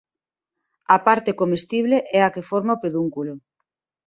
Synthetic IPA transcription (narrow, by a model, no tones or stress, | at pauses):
apaɾt̪ekomest̪iβ̞leʔɛakefoɾmaopeðuŋkulo